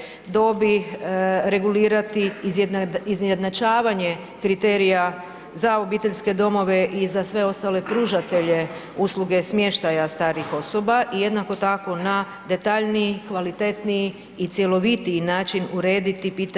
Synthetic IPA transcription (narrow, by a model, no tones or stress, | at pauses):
d̪o̞bi | ɾe̞ɡuliːɾat̪i | izjed̪nat͡ʃaːʋaɲe̞ | kɾit̪e̞ːɾija | zao̞biːt̪e̞ʎske̞d̪o̞mo̞ʋe̞ʔizasʋe̞o̞st̪ale̞pɾuːʒat̪e̞ʎe̞ | usluɡe̞smjeʃt̪ajast̪aːɾixo̞so̞baʔije̞d̪nako̞t̪ako̞na | d̪e̞t̪aʎniikʋalit̪e̞t̪niiː | t̪sje̞lo̞ʋit̪inaːt͡ʃinuɾe̞ːd̪it̪ipiːt̪